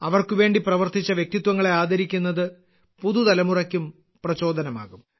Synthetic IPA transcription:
ɐʋɐrkuʋe̞ːɳɖiprɐʋɐrt̪it͡ɕːɐʋjek̚t̪it̪wɐŋːɐɭe̞aːd̪ʱɐɾikʲːunːɐðɨ | puðud̪ɐlɐmurɐkʲːum | prɐt͡ɕo̞ːd̪ɐnɐma̰ːɣum

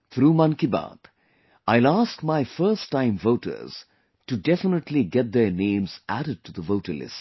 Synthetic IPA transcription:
t̪ʰɾuːmʌ̃nkiba̰ːt̪ | aɪlaːskmaɪfəɾsʈːãɪ̃mvoʊʈə̰ɾz̥ | ʈuɖɛfənəʈliɡɛt̪̚d̪ənẽːmz̥æ̰ɾəɖ̚ʈud̪əʋoʊʈəlɪ̰sʈ

